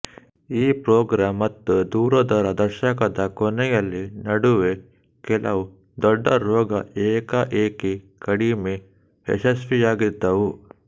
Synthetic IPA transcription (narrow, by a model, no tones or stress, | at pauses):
iːpɾoːɡɾaːmːɐt̪ːud̪uːɾɐd̪ɐɾɐd̪ɐɾʃɐkɐd̪ɐkɔnɛjɐlːinɐɽuʋe | kɛlɐu | d̪ɔɖːɐɾoːɡɐeːkɐʔeːkikɐɽime | ɦḛʃɐsʋijaːɡid̪ːɐʋu